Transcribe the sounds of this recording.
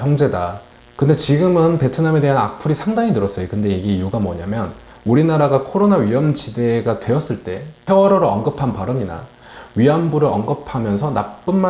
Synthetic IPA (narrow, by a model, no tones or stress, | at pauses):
jʌŋd͡ʑe̞da | kɯnde̞t͡ɕiɡɯmɯnpe̞tʰɯname̞de̞ɦanak̚pʰuɾisʰaŋdaŋinɯɾʌs͈ʌjokɯnde̞iɡe̞ijuɡamʌɲamjʌn | uɾinaɾaɡakʰoɾonaɥiʌmd͡ʑide̞ɡatwe̞ʌs͈ɯɭt͈e̞pjewʌɾʌɾɯʌnɡɯpʰanpaɾʌɲina̰ | ɥiambuɾɯɭʌnɡɯpʰamjʌnsʰʌnak̚p͈ɯnma